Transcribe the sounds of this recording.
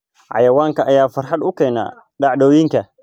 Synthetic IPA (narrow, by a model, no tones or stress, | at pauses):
ʕa̰jɐwaŋkaʔajaːfɐɾħaɗʔʊkana̰ | ɗaɗoːjɪŋka